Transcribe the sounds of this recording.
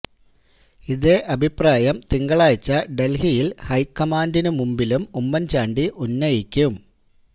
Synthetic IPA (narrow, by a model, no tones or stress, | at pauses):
iðe̞ʔɐbʱipraːjɐmt̪iŋɡɐɭaːjt͡ɕːɐɖe̞lhijilhɐjkːɐmaːndinumumbilumumːɐnt͡ɕaːɳɖiʔunːɐjikʲːum